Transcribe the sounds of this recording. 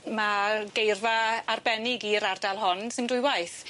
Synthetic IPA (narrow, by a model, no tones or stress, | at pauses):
maɡejrvaarbɛnɪɡiɾardalˠɦɔnsɪndʊjwajθ